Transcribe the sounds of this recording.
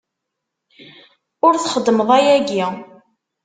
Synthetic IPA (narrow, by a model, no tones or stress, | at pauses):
ʊɾθχəd̪ːəməðˤæjæɡi